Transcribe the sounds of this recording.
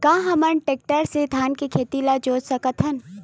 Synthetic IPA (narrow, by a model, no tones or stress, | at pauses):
kãːɦɐmənʈeːk̚ʈəɾsed̪ʱaːnkekʰeːt̪ilad͡ʒoːd͡ʒsɐkət̪ʰɐn